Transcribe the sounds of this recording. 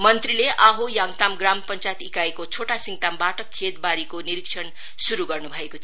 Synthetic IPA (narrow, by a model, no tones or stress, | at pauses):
mʌnt̪rileʔaɦojaŋt̪amɡrampʌnt͡sajet̪ikaekot͡sʰoʈasiŋt̪ambaʈʌkʰːet̪̚baɾikoniɾikt͡sʰʌn | suɾuɡʌrnubʱʌekot̪ʰ